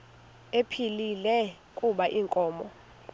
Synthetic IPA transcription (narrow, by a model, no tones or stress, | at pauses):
epʰililɛ | kʼuɓaʔiːŋkʼɔːmɔ